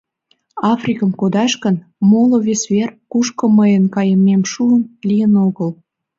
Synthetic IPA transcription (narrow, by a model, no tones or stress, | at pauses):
ɑfrʲikəmkod̪ɑʃkən | moloβesβerkuʃkə̆məjənkɑjəmemʃuənlijənoɣəl